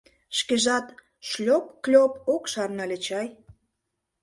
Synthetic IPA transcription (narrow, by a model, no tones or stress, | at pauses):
ʃkeʒɑt̪ | ʃlʲopklʲopokʃɑrnɑlʲet͡ɕɑj